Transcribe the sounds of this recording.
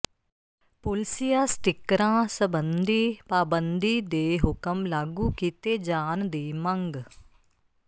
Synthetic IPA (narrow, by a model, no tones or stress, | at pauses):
pʊlsijaːsʈ̪ɪkɾãːsəbənd̪iːpaːbənd̪iːd̪eːɦʊkəmlaːɡũːkiːt̪eːd͡ʒaːnd̪iːməŋɡ